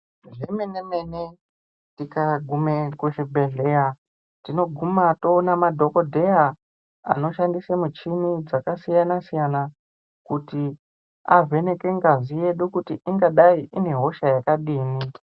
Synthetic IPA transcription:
ʐemenenene | tikaɡʱumekuʃibʱeɮeja | tino̞ɡʱumato̞ːnamadʱo̞ko̞dʱe̞ja | a̰no̞ʃandisamut͡ʃinid͡zakasijanasijana | kuti | a̰vʱe̞ne̞ke̞ŋɡazije̞ɗukutiʔiŋɡaɗaiʔine̞ɦo̞ʃajakaɗiːni

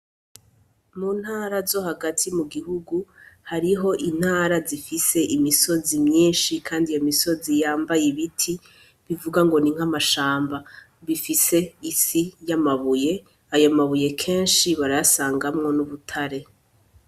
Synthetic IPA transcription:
muːn̥haːɾazo̞haɡatʰimuɡiɦuɡuhaɾiɦo̞ʔin̥haːɾazifise̞ʔimiso̞zimɲiːnʃikʰaːndijamiso̞zijaːmbajiβitʰi | βivuɡaŋɡo̞niŋ̥hamaʃaːmba | βifise̞isijamaβuje̞ | ajomaβuje̞kʰe̞ːnʃiβaɾajasaːŋɡamŋo̞nuβutʰaɾe̞

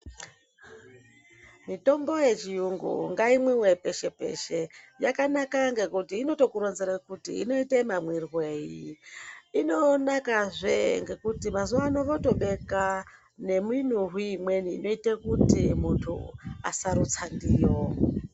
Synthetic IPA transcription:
mito̞mbo̞je̞t͡ʃijuŋɡṵŋɡaimwiwepe̞ʃe̞pe̞̰ʃe̞ | jakanakaŋɡe̞kutiːno̞to̞kuɾonzeɾakutḭːno̞itemamwirwe̞ːji | ino̞nakaʐḛŋɡe̞kutimazuwaːnoʋoto̞ɓe̞ka | ne̞min̤uɦiːmwe̞niːno̞itekutimuntʰṵa̰saɾut͡sandiːjo

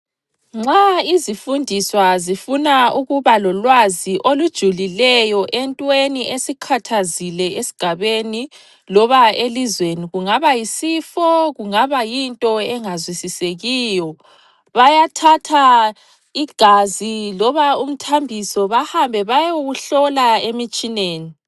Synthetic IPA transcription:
ŋ͡ǁaizifundʱiswazifunauɣuβalɔlwaziʔolud̥ʒ̥ʱulilɛjɔʔɛntʼweniesikʰatʰazilɛesi̥ɡ̥ʱaβeni | lɔβaelizweniɣuŋaβajisifɔɣuŋaβajintʼɔɛŋazwisiseɣiːjɔ | βajatʰatʰa | iɡ̥ʱazilɔβaum̩tʰambʱisɔβahambʱɛβajouɣuɬɔlaemit͡ʃʼineːni

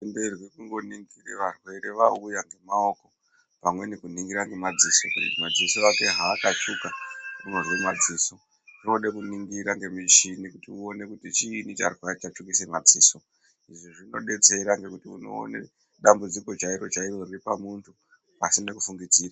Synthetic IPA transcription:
emberwikuŋɡo̞niŋɡireʋarwe̞ɾe̞ʋaujaŋɡe̞mao̞ko̞ | pamwe̞nekuniŋɡiɾaŋɡe̞mad͡ziso̞kutimad͡zisoake̞ɦaːkat͡ʃukaunorwimad͡ziːso̞ | ʐoɗekuniŋɡiɾaŋɡe̞mit͡ʃinikutiuone̞kutit͡ʃiːnit͡ʃa̰rwaɾet͡ʃat͡ʃukisemad͡ziːso̞ | iʐiʐino̞̰ɗe̞t͡se̞ɾaŋɡe̞kutiuno̞̰ːnḛ | ɗambud͡ziko̞t͡ʃaiɾo̞t͡ʃairo̞riripamuntʰu | pasinekufuŋɡid͡ziːra

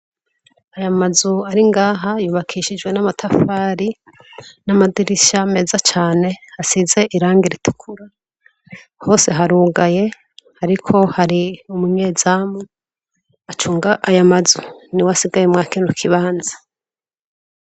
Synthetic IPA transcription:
ajamazuaɾiŋɡaːɦajuːβakʰiʃid͡ʒɡwe̞namatʰafaːɾi | namadiɾiʃame̞ːzat͡ʃaːne̞hasize̞ʔiɾaːŋɡiɾitu̥kʰuɾa | ho̞ːse̞ɦaɾuːɡaje̞ | haɾikʰo̞haɾiumuɲez̥aːmu | at͡ʃuːŋɡaʔajamazuniwasiɡajemŋaːkiːndukʰiβaːnzḁ

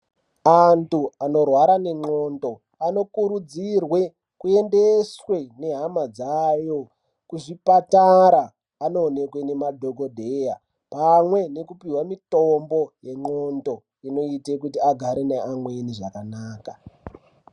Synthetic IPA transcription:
antuano̞rwaɾane̞ŋ͡ǃo̞ndo̞ | ano̞kuɾud͡zirwe̞ | kue̞ndeswe̞ne̞ɦamad͡zajo̞ | kuʐipataɾaː | no̞ːne̞kwe̞ne̞madʱoɡʱo̞dʱeja | pamwe̞ne̞kupiwamitombo̞je̞ŋ͡ǃo̞ndo̞ | ino̞itek̬utiaɡʱaɾeneʔamweniʐakanaːka

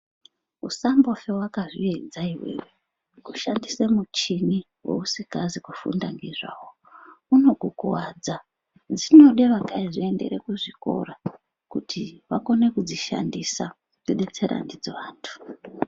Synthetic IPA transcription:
usambo̞fewakaʐḭed͡zaiwḛwe | kuʃandisemut͡ʃini | we̞̰usikazikufṵndaŋɡiʐa̰wo | uno̞ɡʱokowad͡za | d͡zino̞ɗe̞ʋakaiʐie̞nde̞̰ɾe̞kuʐiko̞̰ra | kutʰiʋako̞ne̞kud͡ziʃa̰ndisa | ziɗe̞t͡se̞ɾa̰ndid͡zoʋaːntʰu̥

